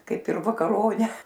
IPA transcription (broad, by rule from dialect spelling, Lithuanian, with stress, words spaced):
ˈkɐɪp ɪr ʋɐkɐˈroːnʲɛ